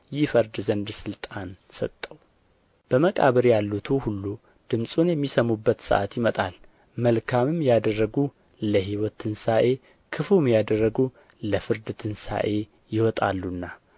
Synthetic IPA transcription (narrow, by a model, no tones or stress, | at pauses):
jɪfəɾd̪zənd̪sɨlt̪ʼansət̪ʼːəw | b̥əməkʼa̰βəɾjalːut̪ʰuhulːu | d̪̥ɨmsʼunjɛmːisəmubːət̪sə̰ʔat̪jɪmət̪ʼal | məlkʰamɨmjad̪ərːəɡu | ləɦiwɔt̪ʰɨnsaʔe̞ | kʰɨfumjad̪ərːəɡu | ləfɨɾd̪t̪ʰɨnsa̰ʔe̞ | jɪhɔt̪ʼa̰lːunːa